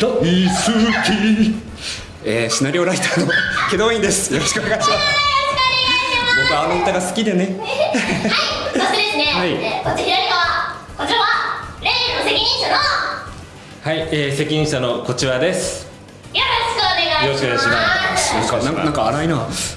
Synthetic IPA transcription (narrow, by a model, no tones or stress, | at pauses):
d̪aisɨkʲi | eːɕinaɾʲioɾait̪aːnoke̞d̪oːĩnd̪e̞sɨ̥jo̞ɾoɕi̥kɯoneɡajɕimasɾoɾoɕkoːneɡjmad̪eanoot̪aɡasɨ̥kʲid̪ene | aasid̪esɨnehaikot͡ɕçd̪oɾʲit̪oa | kot͡ɕiaβaɾeenosekʲiɲĩt̪ano | haieːse̞kʲiɲĩɕanoko̞t͡ɕiβad̪e̞sɨ̥ | joɾoɕkɯoneɡajoɾoɕkoeaiɕimanãŋkanãŋnãŋkaaɾainaː